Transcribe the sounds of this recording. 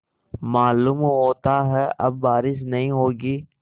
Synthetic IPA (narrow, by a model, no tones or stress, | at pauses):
maːluːmɦoːt̪aɦɛʔɐ̰b̚ːaːɾɪʃ̬nɐɦĩɦoːɡiː